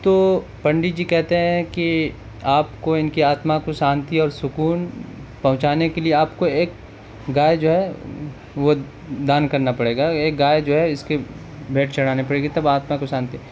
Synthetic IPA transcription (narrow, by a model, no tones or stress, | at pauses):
t̪oːpɐ̃ɳɖid͡ʒiːkɛɦt̪eɦɛ̃ki | aːpkoɪnkiaːt̪makosaːnt̪iɔːɾsʊkuːnpɐɦʊ̃t͡ʃaːnekelieaːpkoeːk̚ | ɡaːjd͡ʒoːɦɛ | ʋo | d̪aːnkɐɾnapɐɽeːɡaeːk̚ɡaːjd͡ʒoːɦɛɪske | bʱeːʈt͡ʃɐɽ̤aːnepɐɽeːɡet̪ɐbaːt̪makosaːnt̪i